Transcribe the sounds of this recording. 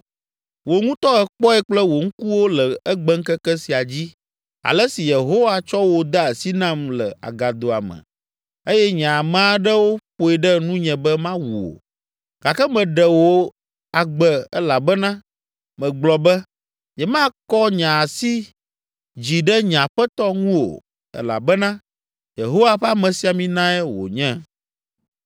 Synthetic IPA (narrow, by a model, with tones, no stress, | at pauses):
wo˨ŋũ˦t̪ɔ˦ɛ˨k͡pɔ˦ɛ˦k͡plɛ˦wo˨ŋ̩˦ku˦wo˦lə˨ɛ˦ɡ͡bɛ˦ŋ̩˦kɛ˦kɛ˦si˨a˨d͡ʑi˦ | a̰˨lə˦si˨je˨ɦo˦wa˦t͡ʃɔ˦wo˨d̪a˦e˨si˦nã˦mlɛ˨a̰˨ɡa˨d̪o˨a̰˨mɛ̰̃˨ | e˦jɛ˦ɲã˨mɛ̃˦a˨ɖə˦wo˦ɸo˨ɛ˨ɖɛ˦nũ˦ɲɛ̃˨bɛ˦mã˦wu˨o̰˨ | ɡ̥a˨kɛ˦mɛ̃˨ɖɛ˨wo˦ | a˨ɡ͡bɛ˨ɛ˦la˨bɛ˦nã˦ | mɛ̃˨ɡ͡blɔ˨bɛ˦ | ɲɛ̃˨mã˦kɔ˦ɲã˨si˦ | d͡ʑi˨ɖɛ˦ɲã˨ɸɛ˦t̪ɔ˦ŋũ˦o̰˨ | ɛ̰˦la̰˨bɛ˦nã˦ | je˨ɦo˦wa˦˨ɸɛ˦a˦mɛ̃˨si˨˦a˨mĩ˦nã˦ɛ˦wo̰˨ɲɛ̃˦